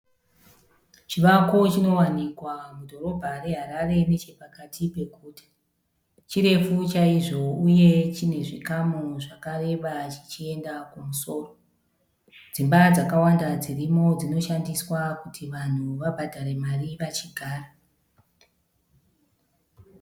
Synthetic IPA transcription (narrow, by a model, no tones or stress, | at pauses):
t͡ʃiʋako̞t͡ʃino̞wanikwamudʱo̞ɾo̞bʱare̞ɦaɾare̞ne̞t͡ʃe̞pakatʰipe̞ɡʱuːtḁ | t͡ʃiɾe̞fut͡ʃaiʐo̞uje̞t͡ʃine̞ʐikamuʐakare̞ʋat͡ʃi̥t͡ʃie̞ndakumuso̞ːro̞ | d͡zimbad͡zakawandad͡zirimo̞d͡zino̞ʃandiswakutʰiʋan̤uʋabʱadʱare̞maripat͡ʃiɡʱaːra